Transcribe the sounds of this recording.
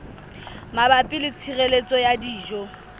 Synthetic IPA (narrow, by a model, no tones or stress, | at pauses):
mabapʼɪlɪt͡sʰirelet͡sʼɔjadiːʒɔ